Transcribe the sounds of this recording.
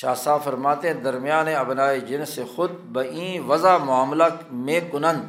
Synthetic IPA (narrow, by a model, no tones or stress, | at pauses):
ʃaːsaːfɐɾmaːt̪eɦɛ̃d̪ɐɾmijaːnẽɐbnaːed͡ʒɪnsexʊd̪̚bɐĩːʋɐzaːmʊaːmlaːmẽːkʊnɐ̃n